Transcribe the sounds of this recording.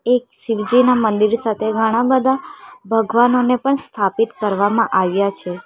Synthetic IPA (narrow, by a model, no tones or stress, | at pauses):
eksiʋd͡ʒinamənd̪iɾsat̪ʰeɡʱəɽ̃ãbəd̪ʱabʱəɡʋanonepəɳst̪ʰapit̪kəɾʋamãʔaʋjat͡ʃʰe